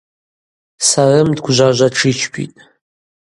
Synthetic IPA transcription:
sarɨmdɡʷʒʷaʒʷaʈ͡ʂʰit͡ʃʰpʰḭtʼ

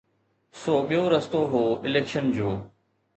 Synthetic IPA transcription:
soːɓijoɾɐst̪oɦoːɪleːkʃənd͡ʑoː

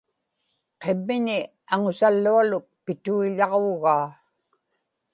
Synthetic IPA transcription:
qemːɪnɪ | aŋʊsalːualʊk̚pɪt̪uiʎɑʁoɣaː

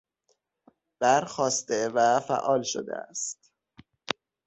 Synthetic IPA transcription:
b̪̥æɾxɒːst̪evæfæ̰ʔɒːlʃo̰d̪ḛæ̰st̪

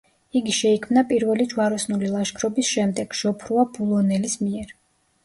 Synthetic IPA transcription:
iɡiʃɛikʰmnapʼiɾvɛlid͡ʒwaɾɔsnulilˠaʃkʰɾɔbisʃɛmd̪ɛɡ̥ʃɔpʰɾuab̥ulˠɔnɛlismiɛɾ

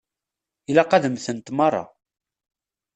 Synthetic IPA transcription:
ilæqɑðəmθənt̪mɑrˤːɑ̰

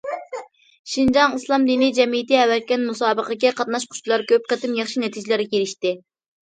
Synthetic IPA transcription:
ʃind͡ʒɑŋɨslˠɑmd̪inid͡ʒɛmijt̪iɛwɛt̪̚kʲɛnmusɑːbəqəkʲɛqʰɑt̪̚nɑʃqʰʊ̥ʃt̪lˠɑɾkʲʰøp̚qət̪ɪmjɑχʃinɛt̪ʰid͡ʒɪlɪɾkʲeɾɪʃt̪ɪ

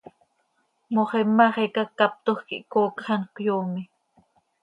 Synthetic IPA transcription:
moχemːaχekakːap̚t̪ohxkḭʔkoːkχɑnkʷjuːmi

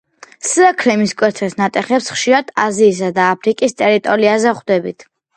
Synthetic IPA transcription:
sakʰɾɛmiskʼwɛɾt̪ʰɛsnat̪ʼɛχɛpsχʃiɾad̪ʰaziːs̬ad̪aːpʰɾikʼist̪ʼɛɾit̪ʼɔɾiazɛχd̪ɛbit̪ʰ

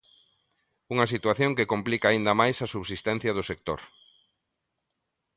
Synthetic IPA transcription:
uŋɐsit̪waθjoŋkekomplikaːind̪ɐmajsɐsuβsist̪ɛn̟θjɐð̞ʊsek̚t̪o̰ɾ

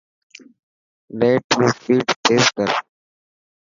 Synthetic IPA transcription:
leːʈmũːfiːʈt̪ʰeːzkəɾ

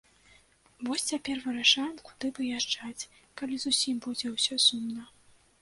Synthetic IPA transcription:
vɔsʲt͡sʲapʲɛrvɨɾaʂajɛmku̥d̪ɨvɨjaʐd͡ʐat͡sʲ | kalʲizusʲimbud͡zʲɛwsʲɔsumnɐ

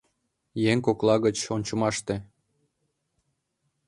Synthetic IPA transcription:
jeŋkoklɑɣət͡ɕonʲt͡ɕə̆mɑʃt̪e

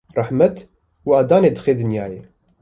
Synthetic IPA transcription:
rˤɑħmət̪ | waːd̪aːneːd̪xeːd̪ənjaːje

